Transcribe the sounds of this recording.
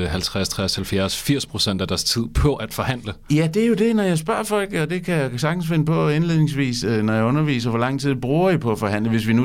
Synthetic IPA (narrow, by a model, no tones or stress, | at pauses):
hælt͡sʰʁast͡sʰʁashælfjæɐsfiɐ̰spʰʁo̝sen̰d̥æd̥æɐst͡sʰið̰ˠpʰɒ̽ʔæd̥fɒ̽hæn̰ləjæd̥e̝æjo̝d̥e̝nɒjɑ̈ɪsb̥ɶɐ̰fɒ̽l̰ɡ̥ɒ̽d̥e̝kʰæjɑsɑ̈ɡ̥n̩sfe̝nəpʰɒ̽enle̝ð̰ˠne̝ŋsʋḭːsnɒjɑ̈ɪɔ̽nɐʋḭːsɐʋɒlɑ̈ŋ̰t͡sʰið̞̰ˠb̥ʁuːɐipʰɒ̽æfɒ̽ɦæn̰ləʋe̝sʋinu